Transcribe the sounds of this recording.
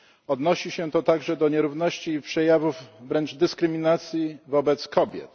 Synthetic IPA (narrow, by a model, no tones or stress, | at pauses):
ɔd̪nɔɕiɕɛt̪ɔt̪aɡʐɛd̪ɔɲɛɾuvnɔɕt͡ɕiːpʂɛjavuvvɾɛnd͡ʐd̪ɘskɾɘmʲinat̪sʲjivɔbɛt̪skɔbʲjɛ̰t̪